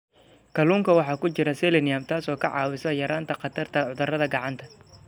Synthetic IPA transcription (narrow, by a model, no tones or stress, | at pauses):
kʰɐluːŋkʰɐwɑħɑːkʰʊt͡ʃɪɾɐsɛlɛnɪjɐmt̪ʰaːsɔːkʰɐʕɑ̰ːwɪsɐjɐɾaːnt̪ʰɐqɑt̪ʰɐrt̪ʰɐʕʊðɐrɐðɐɡɑʕɑnt̪ʰɐ